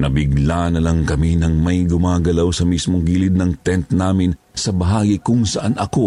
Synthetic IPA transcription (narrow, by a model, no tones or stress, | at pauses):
nɐbɪɡlanɐlɐŋkɐminɐŋmɐjɡʊmaːɡɐlawsɐmismo̞ŋɡiːlɪd̪̚nɐŋt̪ɛnt̪naːmɪn | sɐbɐɦaːɡikʊŋsɐʔanɐko̞